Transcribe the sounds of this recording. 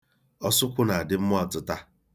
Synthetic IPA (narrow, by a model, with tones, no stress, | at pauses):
ɔ˦sʊ˦kʷʊ˦na˨a˨dɪ˦m̩˦m˦ɔ˦˨tʊ˨ta˦